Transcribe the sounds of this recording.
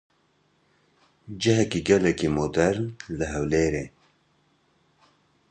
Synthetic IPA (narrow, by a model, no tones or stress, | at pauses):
d͡ʒəɦɛkiːɡɛlɛkiːmod̪ɛɾnlɨɦɛwleːɾeː